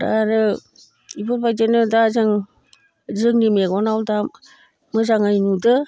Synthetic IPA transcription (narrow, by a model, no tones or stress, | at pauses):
da̰ɾɯ | ibɔɾbajdenɯdazɯŋ | zɯŋnimeɡɔnawda | mɯzaŋɯjnudɯ